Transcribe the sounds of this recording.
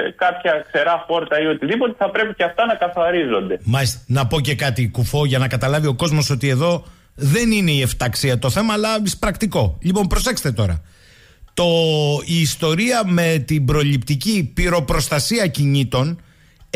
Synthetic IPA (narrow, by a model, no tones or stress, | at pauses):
kɐpçɐkse̞ɾɐpo̞ɾt̪ɐiot̪iðipo̞t̪e̞θɐpɾe̞piceɐft̪ɐnɐkɐθɐɾizo̞nd̪e̞mɐist̪nɐpo̞ce̞kɐt̪ikufo̞ʝɐnɐkɐt̪ɐlɐvio̞ko̞zmo̞so̞t̪ie̞ðo̞ | ðe̞nine̞ie̞ft̪ɐksiɐt̪o̞θe̞mɐːlɐispɾɐkt̪iko̞ʎipo̞mpɾo̞se̞kse̥t̪et̪o̞ɾɐ̰ | t̪o̞iːst̪o̞ɾiɐme̞t̪imbɾo̞lipt̪icipiɾo̞pɾo̞st̪ɐsiɐciɲit̪o̞n